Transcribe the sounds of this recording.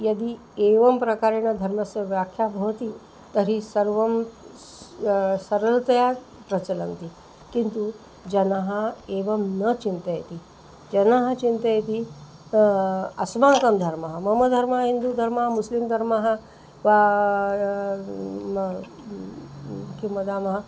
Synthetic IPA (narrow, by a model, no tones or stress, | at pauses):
jəd̪iː | eʋəmpɾəkaɾeñad̪ʱɐɾməsəʋjakʰjabʱəʋt̪iː | t̪əɾiːsəɾʋəm | səɾəlt̪əja | pɾət͡ɕələnt̪i | kint̪u | d͡ʑənaɦaeʋəmnət͡ɕint̪əjḛt̪iː | d͡ʒənaɦat͡ɕint̪əjet̪i | ɐ̰smaŋkəmd̪ʱəɾməɦamɐməd̪ʱəɾməɦaɦind̪ud̪ʱɐɾməɦamuslimd̪ʱɐɾməɦa | ʋa | kiməd̪aməɦa